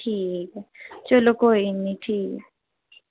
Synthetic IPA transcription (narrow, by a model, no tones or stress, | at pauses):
ik̬at͡ʃʼɔlɔkʰʼɔɦinitʰiːk̬a